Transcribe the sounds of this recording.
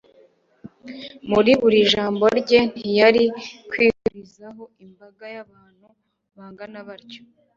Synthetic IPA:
muɾiβuɾiʒaːmbo̞ɾɟe̞n̥ijaɾikwiːhuɾizaɦo̞imbaɡajaβaːn̥hu | βaːŋɡanaβaɾco̥

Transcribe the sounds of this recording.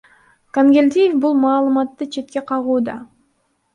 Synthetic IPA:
kaŋɡʲelʲd̪ʲijefbulˠmɑːlˠɯmɑt̪ːɯt͡ʃʰe̞t̪̚kʲe̞qʰɑʁuːd̪ɑ

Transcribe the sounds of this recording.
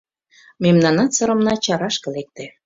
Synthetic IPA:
memnɑnɑt̪sɤ̆ɾɤ̆mnɑt͡ɕɑɾɑʃkɤ̆lek̚t̪ĕ

